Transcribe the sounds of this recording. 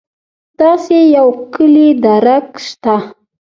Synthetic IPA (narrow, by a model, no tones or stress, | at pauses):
d̪̥ɑsejawkəlid̪aɾakʃt̪a